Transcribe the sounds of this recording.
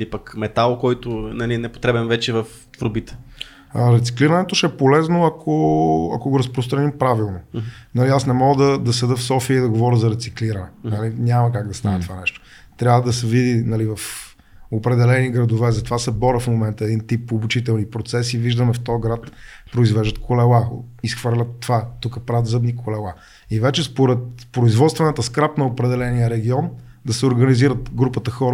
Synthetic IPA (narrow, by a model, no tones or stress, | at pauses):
lipəkmɛt̪alˠkɔjt̪onɐlinɛpo̥t̪ɾɛbɛnvɛt͡ʃɛvəf | t̪vɾobit̪ɛ̥ | ɾɛt̪si̥kliɾɐnɛt̪oʃɛɛpolɛznoɐkʰoɐ̰koɡoɾɐspɾost̪ɾɐnimpɾavilˠnonɐliasnɛmɔɡəd̪ɐd̪ɐsɛd̪əfsɔfiəid̪ɐɡovɔɾʲəzɐɾɛt̪sikliɾɐnɛnɐliɲʲaməkaɡ̚d̪ɐst̪anɛt̪ovanɛʃt̪o̥ | t̪ɾʲavəd̪ɐsɛvid̪inɐlivɐf | opɾɛd̪ɛlɛniɡɾɐd̪ovɛzɐt̪ovasɛbɔɾəfmomɛnt̪əɛd̪int̪ipːoːbut͡ʃit̪ɛlˠnipɾot̪sɛsiviʒd̪əmɛft̪ɔjɡɾat̪pɾoizvɛʒd̪ət̪̚kʰolɛlˠaisxvɤɾlʲət̪ːovat̪ukəpɾavət̪zɤbnikolɛlˠa | ivɛt͡ʃɛspoɾɛt̪pɾoizvɔt̪st̪vɛnət̪əskɾapnɐopɾɛd̪ɛlɛnijəɾɛɡiɔn | d̪ɐsɛoɾɡəniziɾət̪ɡɾupət̪əxɔɾə